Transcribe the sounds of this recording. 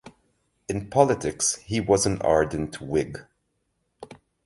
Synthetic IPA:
ɨ̃npʰɑlˠətʰɪkshiwʌzə̃nɑ̰ɹdⁿn̩tʰwɪɡ

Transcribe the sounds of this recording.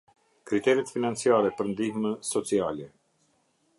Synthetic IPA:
kɾit̪ɛɾɛt̪finant͡siaɾɛpəɾnd̪ihməsɔt͡sialɛ

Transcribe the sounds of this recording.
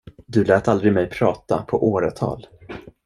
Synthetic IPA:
d̪ɵlɛːt̪ald̪ɾɪmɛjpʰɾɑːt̪a̰pʰɔʔoːɾat̪ʰɑ̰ːl

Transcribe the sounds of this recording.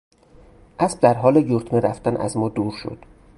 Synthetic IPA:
ʔæsb̚d̪æɾɦɒːlejuɾt̪ʰmeɾæ̰ft̪ænʔæ̰zmɒːd̪uːɾʃo̰d̪̥

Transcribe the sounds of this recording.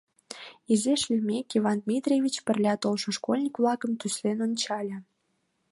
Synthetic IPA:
izeʃlʲimʲekivɑnd̪mʲit̪rʲevʲit͡ɕpə̆rlʲɑt̪olʃə̆ʃkolʲnʲikvlɑkə̆mt̪ysʲlenonʲt͡ɕɑlʲə̆

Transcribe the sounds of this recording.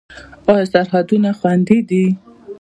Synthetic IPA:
ɔjsaɾɦad̪unaxwand̪id̪i

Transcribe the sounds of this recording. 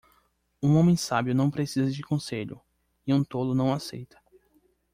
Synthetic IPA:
ũõmẽj̃sabjʊnɐ̃w̃pɾesizɐd͡ʒɪkõseʎʊ̰ | ɪũt̪olʊnɐ̃w̃asḛjt̪ɐ̥

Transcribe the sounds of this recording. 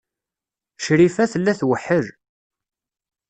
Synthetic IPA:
ʃɾifæθəlːæθwəħəɾ

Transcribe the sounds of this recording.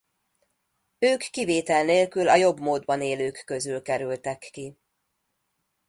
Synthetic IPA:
øːkːiveːt̪ɛlneːlkylɒjo̞bmoːd̪bɒneːløːkːøzylkɛɾylt̪ɛkːi

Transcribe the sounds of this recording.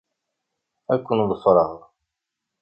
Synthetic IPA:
ækʷːənðˤəfɾˤɑʁ

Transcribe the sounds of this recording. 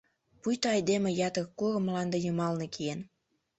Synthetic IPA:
pujt̪oɑjd̪emejɑt̪əkkːurə̆mlɑnd̪ejəmɑlnekʰien

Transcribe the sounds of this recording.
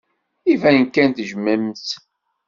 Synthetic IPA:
ivænkænt̪ʒmæmθ

